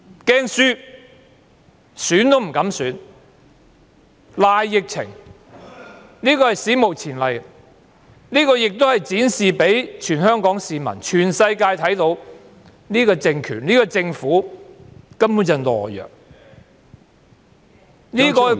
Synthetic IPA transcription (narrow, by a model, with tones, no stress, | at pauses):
kɛː˥ŋsyː˥ | syː˨˥nt̪o˥wm̩˨˩kɐ˨˥msyː˨˥n | laː˨jːɪ˨k̚t͡sʰɪ̰˨˩ŋ | niː˥kɔː˧hɐ˨jsiː˨˥mo˨˩wt͡sʰiː˨˩nlɐ˨j | niː˥kɔː˧jɪ˨k̚t̪o˥whɐ˨˩jt͡siː˨˥nsiː˨pe˨˥jt͡ʃʰyː˨˩nhœː˥ŋkɔː˨˥ŋsiː˨mɐ̰˨˩nt͡ʃʰyː˨˩nsɐ˧jkaː˧jt̪ʰɐ˨˥jt̪o˧˥w | niː˥kɔː˧t͡sɪ˧ŋkʰyː˨˩nliː˥kɔː˧t͡sɪ˧ŋfuː˨˥ | kɐ˥mpuː˨˥nt͡sɐ˨˧nlɔ̰ː˨˩jːœ̰ː˨k̚ | niː˥kɔː˧